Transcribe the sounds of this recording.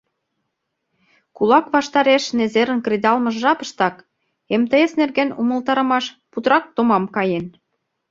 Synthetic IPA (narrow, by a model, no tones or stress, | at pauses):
kulɑkβɑʃt̪ɑɾeʃnezeɾə̆nkred̪ɑlmə̆ʒʒɑpə̥̆ʃt̪ɑk | emt̪əjesnerɣenumə̆lt̪ɑɾə̆mɑʃ | put̪ɾɑk̚t̪omɑmkɑjen